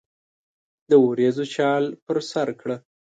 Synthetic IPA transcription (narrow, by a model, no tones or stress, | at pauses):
d̪əoɾezot͡ʃɑlpəɾsaɾkɽə